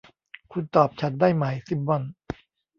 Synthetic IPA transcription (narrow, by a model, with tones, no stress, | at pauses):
kʰu˧nt̪ɔː˨˩p̚t͡ɕʰa˦t̪̚daː˥˩jma˨˩jsi˨˩p̚bɔ˧˩n